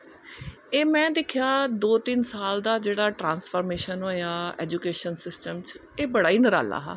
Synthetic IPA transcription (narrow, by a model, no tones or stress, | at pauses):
eːmɛ̃ːd̪ɪkʰɪjaːd̪oːt̪ɪnsaːld̪aːd͡ʒeːɽaːʈɾãːnspʰoːɾmeːʃənɦoːjaːɛ̰ːd͡ʒuːkeːʃənsɪsʈəmt͡ʃeːbəɽaːiːnəɾa̰ːla̰ːɦa̰ː